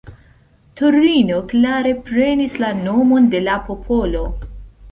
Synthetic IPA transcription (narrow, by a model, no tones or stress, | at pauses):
toɾino̞klaɾe̞pɾe̞nislano̞mo̞nde̞lapo̞pʰo̞lo̞